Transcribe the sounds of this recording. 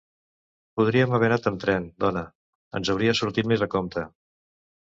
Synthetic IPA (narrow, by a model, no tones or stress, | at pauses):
puð̞ɾiəməβɛnat̪əmt̪ɾɛnd̪ɔnə | ə̰nzəwɾiəsuɾt̪it̪mezðəkɔmt̪ə